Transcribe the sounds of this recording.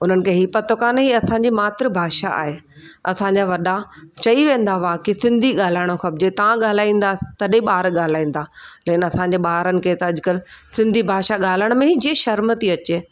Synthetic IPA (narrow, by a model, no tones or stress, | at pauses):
ʊn̤ənɪ̆kʰeːɦiːpɐt̪okaːnɦiːɐsãɲd͡ʑimaːt̪ɾəbʱaːʃaa̰ːɦeː | ɐ̰sãɲd͡ʑaʋɐɗat͡ɕɐiʋẽːnd̪aʋaːkisɪ̃nd̪ʱiɠaːl̤aːɪɽ̃oxɐb̚d͡ʑet̪ɐʋãɠaːl̤aːĩːn̆d̪at̪ɐɗeɓaːɾɠaːl̤aːĩːnd̪aːlɐkɪnɐsãːɲd͡ʑeːɓaːɾənɪ̆kʰet̪ɐɐʄkəlsɪ̃nd̪ʱibʱaːʃaɠaːl̤əɽ̃mẽɦid͡ʑieʃɐɾmət̪iɐt͡ɕeː